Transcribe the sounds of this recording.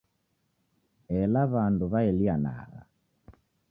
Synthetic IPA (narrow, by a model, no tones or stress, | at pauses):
ɛlaβanduβaɛliana̰ɣa̰